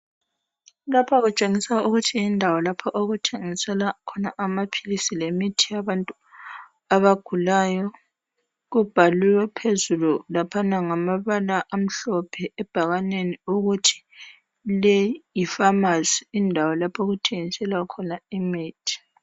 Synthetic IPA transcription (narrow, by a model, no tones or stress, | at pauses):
lapʰɔɣut͡ʃʼeŋisauɣutʰiindʱawɔlapʰɔʔoɣutʰeŋisɛlakʰɔnaʔamapʰilisilemitʰijaβantʼu | aβaɡ̥ʱulajɔ | ɣub̥ʱaliwɛpʰezululapʰanaŋamaβalaʔam̩ɬɔpʰɛɛb̥ʱaɣaneniuɣutʰi̥ | lejjifamaziindʱawɔlapʰoɣutʰeŋisɛlakʰɔnaimiːtʰi̥